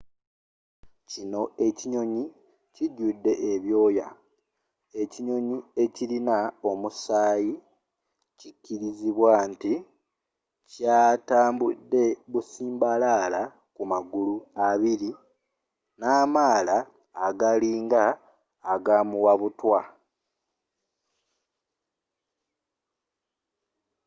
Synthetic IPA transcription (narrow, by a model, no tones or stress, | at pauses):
cino̞e̞ciɲo̞ɲi | ciɟudːe̞ʔeβjo̞ːja | e̞ciɲo̞ɲie̞cilinao̞musaːji | cicːiɾiziβwanti | caːtaːmbudːe̞βusiːmbalaːla | kumaɡuluaβiɾi | naːmaːlaː | ɡaliːŋɡaː | ɡaːmuwaβutwa